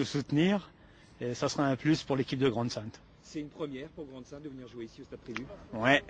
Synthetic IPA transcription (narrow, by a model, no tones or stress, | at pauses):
usut̪niːʁ | esasʁaɛ̃plyspuʁlekʲip̚d̪əɡʁɑ̃d̪sɛ̃t̪ | sɛynpχəmjɛʁpuʁɡʁɑ̃d̪sɛ̃t̪̚d̪əvəniʁʒweisiost̪apχivywɛ